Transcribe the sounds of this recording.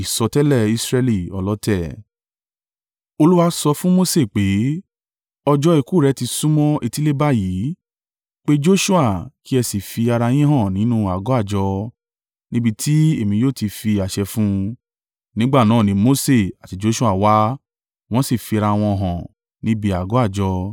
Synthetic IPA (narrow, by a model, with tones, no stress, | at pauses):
i˨sɔ˧tɛ˦lɛ˦˨i˧sɾɛ˧li˦˨ɔ̰˨˧lɔ˦tɛ˦˨ | o˧lu˦wa˦sɔ˧fũ˦mo˦se˦˨k͡pe˨˦ | ɔ˧d͡ʒɔ˧e˨˧˨ku˦˨ɾɛ˨˧˦ti˧sũ˦mɔ̃˦e˧ti˦le˦ba˦jiː˨˦ | k͡pe˦d͡ʒo˦ʃu˦a˦˨ki˦ɛ˧si˨fi˧a˧ɾa˧j̃ĩ˦ɦã˦˨nĩ˨˦nũ˦a˨ɡɔ˨˦a˦˨d͡ʒɔ˧ | nĩ˦bi˦˧tʰi˦e˦˨mĩ˧joː˦˨ti˧fi˧a˨ʃɛ˧fũ˦ | nĩ˦ɡ͡ba˦˨nã˨˦˨nĩ˨˦mo˦se˦˨a˨ti˨˧˦d͡ʒo˦ʃu˦a˦˨wa˦ | w̃ɔ̃˦si˦˨fi˧a˧ɾa˧w̃ɔ̃˧˨ɦɔ̃˨ | nĩ˦bi˧a˨ɡɔ˨˦a˦˨d͡ʒɔ˧